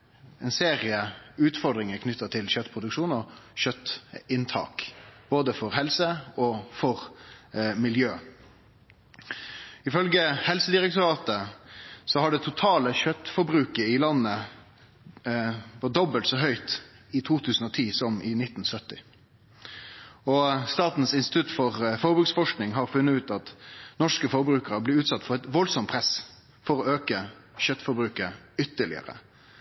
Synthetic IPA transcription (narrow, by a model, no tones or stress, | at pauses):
ɛnseːɾɪəʉːt̪fɔɾd̪ɾɪŋəkʰnʏt̪ːət̪ʰɪlɕœt̪ːpʰɾʊd̪ʉkʂuːnɔɕœt̪ːɪnt̪ʰɑ̰ːkb̥oːd̪əfɔɾhɛlsəɔfɔɾ | mɪljøː | ɪfœlɡəhɛlsəd̪ɪɾɛk̚t̪ʊɾɑːt̪əsɔhɑɖɛt̪ʰʊt̪ʰɑːləçœt̪ːfɔɾbɾʉːkəɪlɑnːə | ʋɑd̪ɔbəlt̪sɔɦœʏt̪ | ɪt̪ʰuːt̪ʰʉːsn̩ɔt̪ʰiːsɔmʔɪnɪt̪ːn̩sœt̪ːɪ | ɔst̪ɑːt̪n̩sɪnst̪ɪ̥t̪ʰʉt̪ːfɔʁfɔʁbɾʉːksfɔʂknɪŋɦɑɾfʉnːət̪ʉːt̪ɑt̪nɔʂkəfɔɾbɾʉːkəɾəblɪːʉːt̪sɑt̪ːfɔɾɛt̪ʋɔlsɔmt̪pʰɾɛs | fɔɾɔøːkəɕœt̪ːfɔɾbɾʉːkəʏt̪ːəɭɪ̰ə̰ɾə̰